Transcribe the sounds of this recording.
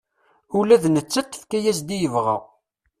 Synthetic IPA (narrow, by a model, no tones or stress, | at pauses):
ulæðnət͡sːæt̪ˤːə̥fkæjæsd̪ijəvʁa̰ʁ